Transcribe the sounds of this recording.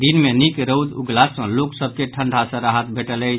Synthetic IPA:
d̪inmenikɾəwd̪uɡlasə̃loksəb̚ʱkeʈʰəɳɖʱasə̃ɾaɦət̪bʱeʈələjt͡ʃʰ

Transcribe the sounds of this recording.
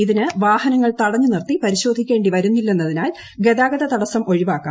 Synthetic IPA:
iðinɨʋaːhɐnɐŋːɐɭt̪ɐɽɐɲːɨnirt̪ipɐɾiɕo̞ːd̪ʱikʲːe̞ːɳɖiʋɐɾunːilːe̞nːɐðinaːl | ɡe̞ðaːɡɐðɐt̪ɐɽɐsɐmo̞ɻiʋaːkːa̰ː

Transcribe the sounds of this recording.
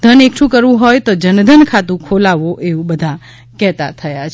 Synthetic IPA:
d̪ʱənekʃʰũkəɾʋũɦojt̪od͡ʒənd̪ʱənkʰat̪ũkʰolaʋoʔeʋũbəd̪ʱa | kɛt̪a̰t̪ʰəjat͡ʃʰ

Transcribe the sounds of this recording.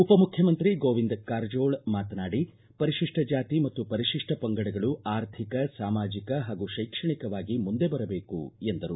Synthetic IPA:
upɐmukʰjɐmɐnt̪ɾiɡoːʋind̪kaːɾd͡ʒo̞ːɭmaːt̪ɐnaːɽi | pɐɾiʃiʂʈʰɐd͡ʒaːt̪imɐt̪ːupɐɾiʃiʂʈʰɐpɐŋɡɐɽɐɡɐɭuʔaːɾt̪ʰikɐsaːmaːd͡ʒikɐɦaːɡuʃɐjkʂɐɳikɐʋaːɡimund̪e̞bɐɾɐbe̞ːkṵend̪ɐɾu

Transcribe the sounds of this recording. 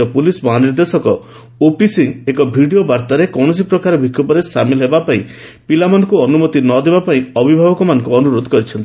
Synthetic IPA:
ɔpulisbɔɦaniɾd̪esɔkɔ | opisiŋekɔbʱiɖijobaɾt̪aɾekɔwɳɔs̬ipɾɔkaɾɔbʱikʰːɔpɔɾesa̰milɦebapaĩ | pilamɔnɔkuɔnumɔt̪inɔd̪ebapaĩɔbʱibʱabɔkɔmanɔ̃ŋkuɔnuɾod̪ʱɔkɔɾit͡ʃʰɔnt̪i

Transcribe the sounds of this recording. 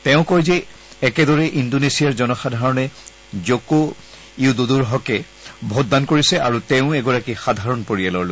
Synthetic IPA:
tɛʊ̃kɔjzɛ | ɛkɛdɔɹɛʔindonesijaɹzɔnɔxadʱaɹɔnɛ | zoko | iudoduɹɦɔkɛ | bʱot̚dankoɹisɛaɹutɛʊ̃ɛɡɔɹakixadʱaɹɔnpoɹijalɔlo

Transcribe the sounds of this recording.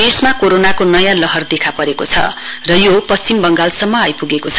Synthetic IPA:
esmakoɾonakonʌjãlʌɦʌrd̪ekʰapʌɾekot͡sʰʌ̰rʌjopʌst͡simbʌŋɡalsʌmːʌajpuɡekot͡sʰʌ

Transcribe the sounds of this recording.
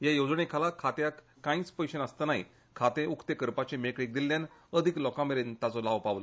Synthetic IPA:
jajod͡zɳekʰalakʰat̪jak | kãĩːt͡spəjɕenəst̪ənaɦḭ | kʰat̪ẽukʰt̪ekəɾpat͡ɕemekɽik̚d̪ilːjanəd̪ʱiklɔkãmeɾint̪at͡sɔlaʋpaʋlo

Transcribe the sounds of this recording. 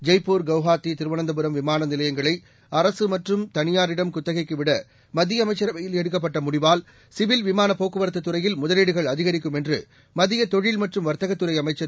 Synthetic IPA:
d͡ʒɐɪpːoːɾɡɐʋɣaːt̪ːit̪ɪɾɯʋɐnɐnd̪ɐpɯɾɐmʋɪmaːnɐnɪlɐjɐŋɡɐɭɐɪ | ɐɾɐsɯmɐʈrɯmt̪ɐnɪjaːɾɪɽɐmkʊt̪ːɐɣɐɪkːɯʋɪɽɐ | mɐðɪjɐmɐɪt͡ʃːɐɾɐɐjɪlɛɽɯkːɐp̬ːɐʈːɐmʊɽɪʋaːl | sɪʋɪlʋɪmaːnɐpːoːkːɯʋɐɾɐt̪̬ːɐt̪ːɯɾɐjɪlmʊðɐleːɽɯɣɐɭɐðɪɣɐɾɪk̬ːɯmɛndrɯ | mɐðɪjɐt̪ɔɻɪlmɐʈrɯmʋɐɾt̪ɐɣɐt̪ːɯɾɐɪɐmɐɪt͡ʃːɐ

